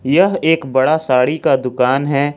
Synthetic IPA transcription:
jɐɦeːkbɐɽasaːɽikad̪ʊkaːnɦɛː

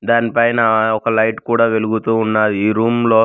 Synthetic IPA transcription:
d̪aːnipɐjnɐɔkɐlɐjʈkuːɽaːʋe̞luɡut̪uːunːaːd̪iiːɾuːmmlo̞ː

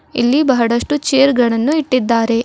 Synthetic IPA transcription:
ḭlːibɐɦɐɽɐʂʈut͡ʃeːɾɡɐɳɐnːuiʈːid̪ːaːɾe̞

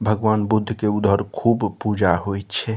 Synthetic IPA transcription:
bʱəɡʋanbud̪ʱːkeud̪ʱəɾkʰubpud͡ʒaɦojt̪t͡ʃʰɛ

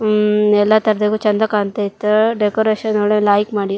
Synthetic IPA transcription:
ɛlːɐt̪ɐɾɐd̪eɡut͡ʃɐnd̪ɐkaːnt̪ɐit̪ːɐɖekoɾeːʃɐnoɭelaːjikmaːɽi

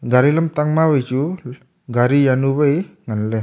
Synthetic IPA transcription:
ɡaɾilamtaŋmabəjt͡ʃu | ɡaɾijanubəjŋanle

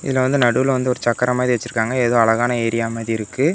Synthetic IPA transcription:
ɪ̰ðɪlːɐʋɐnd̪ɯnɐɽɯʋɪlʋɐnd̪ɯɔɾɯt͡ʃɐkːɐɾɐmaːðiʋɐt͡ʃːɯɾɯkːaːŋɡɐɛːðoːɐɭɐɣaːnɐeːɾɪjaːmaːðiɪɾɯkːɯ

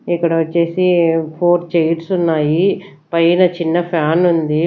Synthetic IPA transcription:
ikːɐɽɐʋɐt͡ʃːe̞ːsipʰoːɾt͡ʃejʈsunːaːji | pɐjinɐt͡ʃinːɐpʰjaːnund̪i

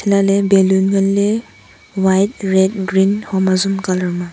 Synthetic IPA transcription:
tʰilalɛbɛlunɡɔlːɛ | wajt̚ɹɛd̚ɡɹinhɔmazumkalaɹma

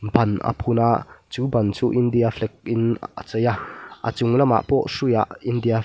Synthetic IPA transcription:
bɐnʔə̰pʰunaʔt͡suːbɐnt͡suːʔindiaflɛk̚ʔɪnʔə̰t͡səjaʔə̰t͡sʊŋlama̰ʔpɔʔsuja̰ʔindia

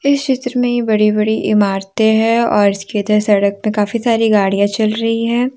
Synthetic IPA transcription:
ɪst͡ʃɪt̪ɾəmẽjebɐɽibɐɽiʔɪmaːɾt̪eɦɛ̃ɔ̰ːɾɪskeɐd̪əɾsɐɽək̚mẽkaːfisaːɾiɡaːɽijãt͡ʃɐlɾɐɦiɦɛ̃ː

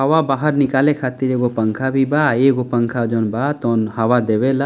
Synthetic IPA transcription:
ɦɐʋabaːɦəɾnikaːlekʰaːt̪iɾeɡopɐŋkʰabʱibaːeːɡopəŋkʰad͡ʒɔːnbat̪ɔnhɐʋad̪eʋela

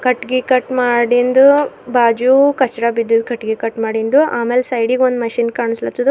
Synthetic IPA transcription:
kɐʈːɡikɐʈmaːɽind̪ubaːd͡ʒukɐsʈɐɽabid̪ːid̪kɐʈːɡikɐʈmaːɽind̪uʔaːmeːlsɐjɖiːɡond̪mɐʃinkaːɳislɐt̪ːud̪u

